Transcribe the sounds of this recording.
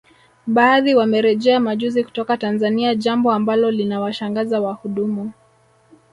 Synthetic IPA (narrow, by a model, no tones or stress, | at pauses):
ɓaːðiwamɛɾɛʄɛamaʄuziku̥tɔkatanzaniaʄambɔambalɔlinawaʃaŋɡazawahuɗumu